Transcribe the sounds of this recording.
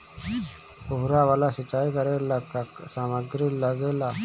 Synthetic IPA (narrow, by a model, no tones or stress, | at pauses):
pʊɦɾaʋaːlasɪt͡ʃːaːikəɾeləkək | saːməɡɾiləɡelaː